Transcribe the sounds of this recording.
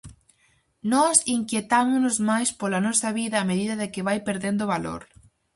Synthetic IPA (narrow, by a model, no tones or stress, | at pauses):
nɔsiŋkjet̪amʊnʊzmajspolɐnɔsɐβiðɐːmeðiðɐðɪkɪβajpeɾðend̪ʊβalo̰ɾ